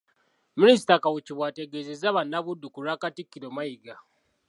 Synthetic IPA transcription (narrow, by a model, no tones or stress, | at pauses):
minisi̥takawuciβwaːteɡezezaβanːaβudːukuɾaːkatikːiɾomaiɡa